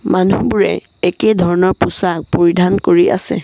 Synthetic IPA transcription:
manubuɹɛ̰ | ekedʱɔɹɔnɔɹpusak̚poɹidʱankoɹiʔa̰sɛ̰

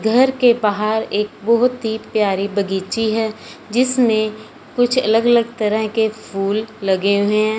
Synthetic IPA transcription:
ɡʱəɾkebaːɦaɾeːk̚bɔɦʊt̪ɦipjaːɾibɐɡiːt͡ʃiɦɛːd͡ʒɪsmẽ | kʊt͡ʃʰɐ̰ləɡələɡ̚t̪əɾəɦkepʰuːlːɐɡeɦʊẽ

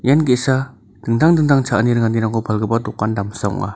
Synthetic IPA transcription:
janɡisa | d̥əŋd̪aŋdɯŋd̪aŋt͡ʃʰaʔniɾəŋandinaŋkɔbalɡəbat̪ukandamsaṵŋa̰

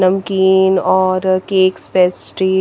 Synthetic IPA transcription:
nɐmkiːnɔːɾkeːkspeːsʈɾiː

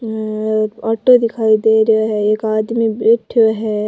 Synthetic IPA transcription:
aːʈod̪ɪkʰaːid̪eːɾejoɦɛeːkaːd̪mibeːʈʰoɦɛː

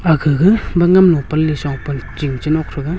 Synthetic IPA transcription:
aɡʰɯɡɯbaŋamnɔpalːisawpɯnt͡ʃiŋt͡ʃinɔkʰɾɯɡa

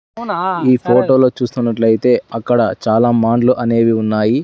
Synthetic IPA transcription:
iːpʰoːʈo̞ːlo̞ːt͡ʃuːst̪unːɐʈlɐjit̪e̞ːɐkːɐɽɐt͡ʃaːlaːmaːɳɖluʔɐne̞ːʋiunːaːji

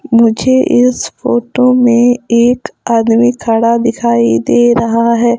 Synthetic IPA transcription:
mʊd͡ʒʱeʔɪsfoːʈomẽeːkaːd̪mikʰɐɽad̪ɪkʰaːid̪eːɾɐɦaɦɛː

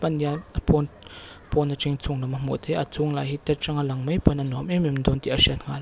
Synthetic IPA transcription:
pɐnapɔnpɔnɐt͡siŋt͡sʊŋlamɐmɔ̰ʔt̪ʰɛʔɐt͡sʊŋla̰jhit̪ɛt̪̚ʈ͡ʂaŋalɐŋmɐjpɔnɐnɔmɛmimnd̪ɔnt̪iʔɐsiat̪̚ŋal

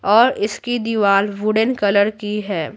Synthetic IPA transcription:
ɔːɾɪskid̪iʋaːlʋʊɖənkɐləɾkiɦɛː

